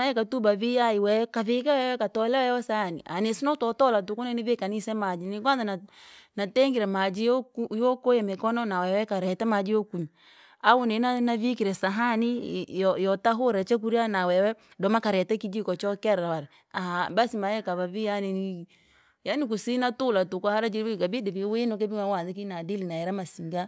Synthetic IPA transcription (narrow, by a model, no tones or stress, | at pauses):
ajɛkatubavijaiwɛɛkavekɛwɛwɛkatɔlɛwɛjɔsanḭʔa̰nesinatɔtɔlat̬ukonɛnivekanisɛmad͡ʒinik̬wanzananatɛŋɡiɾɛmad͡ʒiɔkjɔkojɛmekɔnɔnawɛwɛkaɾɛtɛmad͡ʒiɔkuɲi | aunɛnanavikiɾɛsaɦanijɔjɔtaɦoɾɛt͡ʃɛk̬uɾianawɛwɛ | dɔmakaɾɛtɛkid͡ʒikɔt͡ʃɔkɛɾɾawaɾɛ | ahabasimajɛkaβabijanini | janik̬usinatulatukɔhaɾad͡ʒiɾkabidibiwenɔk̬ɛbiŋawaðik̬inadilinaɛɾamasiŋɡa